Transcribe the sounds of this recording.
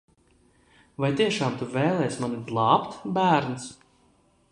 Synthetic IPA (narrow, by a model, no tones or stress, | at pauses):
vajt̪iɛʃaːmt̪uvɛːjlˠɛjsmanid̪lˠɑːpt̪bæːɾns